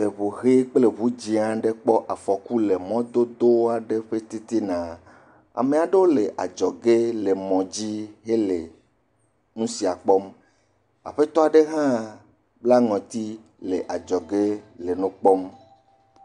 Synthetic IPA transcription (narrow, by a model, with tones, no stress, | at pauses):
le˨βo˨ɦe˦k͡ple˨βu˦d͡ʑi˦ã˨ɖe˦k͡pɔ˦ʔa˨fɔ˨ku˦le˨mɔ̃˦d̪o˦d̪o˦a˨ɖe˦ɸe˦t̪i˦t̪i˦nã˨ | a̰˨mẽ˨a˨ɖe˦wo˦le˨ʔa˨d͡ʒɔ˨ɡe˦le˨mɔ̃˨d͡ʑi˦ɦe˦le˨ | nũ˦si˨a˨k͡pɔ˦m | a̰˨ɸe˦t̪ɔ˦a˨ɖe˦ɦã˦ | bla˦ŋɔ̃˨t̪i˦ | le˨ʔa˨d͡ʒɔ˨ɡe˦le˨nũ˦k͡pɔ˦m